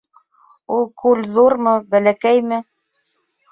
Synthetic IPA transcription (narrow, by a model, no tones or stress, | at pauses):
ulˠkʰʉlðuɾmɤbælækæjmɘ